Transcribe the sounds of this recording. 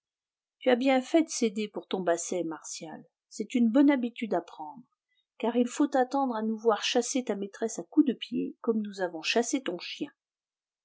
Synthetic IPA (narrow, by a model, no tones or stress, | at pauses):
t̪yabjɛ̃fɛd̪əsed̪epuʁt̪ɔ̃basɛmaʁsja̰l | sɛt̪ynbɔnabit̪yd̪apχɑ̃d̪ʁ | kaʁilfot̪at̪ɑ̃d̪ʁanuvwaʁʃaset̪amet̪χɛsakud̪əpjḛkɔmnuzavɔ̃ʃaset̪ɔ̃ʃjɛ̃